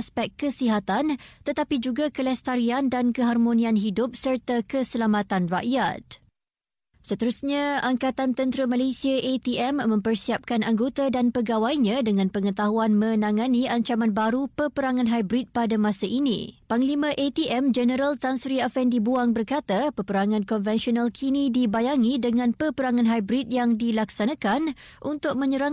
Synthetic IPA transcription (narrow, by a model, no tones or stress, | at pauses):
spɛk̚kːəsiɦat̪ant̪ət̪apid͡ʒuɡakəlɛst̪aɾiandankəɦarmõnĩanɦidʊp̚sərt̪akəsəlamat̪anraʔjat̪̚ | sət̪əɾusɲãaŋkat̪ant̪ənt̪ɾəmalasiaʔet̪iʔɛmːə̃mpərsiap̚kanaŋɡot̪adanpəɡawajɲãdəŋãnpəŋət̪aɦuanmə̃nãŋãniaɲt͡ʃamanbaɾupəpəɾaŋãnɦajbɾit̪̚padamãsaʔinḭ̃paŋlimãʔet̪iʔɛmd͡ʒənəɾalt̪ansɾiafɛndibuaŋbərkat̪apəpəɾaŋãnkɔnvɛnsionalkʰinĩdibajaŋidəŋãnpəpəɾaŋãnɦajbɾit̪̚jaŋdilaksanãkanʔunt̪ʊk̚mə̃ɲəɾa